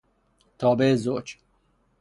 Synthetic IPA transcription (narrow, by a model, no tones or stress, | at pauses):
t̪ʰɔːbezot͡ʃ